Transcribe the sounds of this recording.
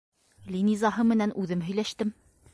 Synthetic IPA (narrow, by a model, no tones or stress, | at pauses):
lʲinizɑɦɤmɘ̆nænʔʉðɘmɦɵ̆jlæʃt̪ɘm